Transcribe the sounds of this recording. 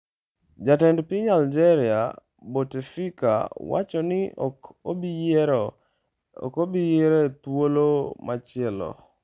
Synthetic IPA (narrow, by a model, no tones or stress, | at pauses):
d͡ʒatɛndpiɲald͡ʒɛɾia̰ | botefika̰wa̰t͡ʃɔnɪ | kobijeɾet̪wolomat͡ʃɪɛlɔ̰